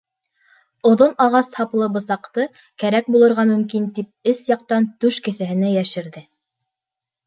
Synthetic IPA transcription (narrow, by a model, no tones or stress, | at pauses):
ŏðonɑʁɑshɑplˠɤbɤ̆sɑqt̪ɤ | kæɾæk̚bulˠɤ̆ɾʁɑmɵ̆mkint̪ip̚ɘsjɑq̚t̪ɑnt̪ʉʃkɘ̆θæhɘ̆næjæʃɘ̆ɾðɘ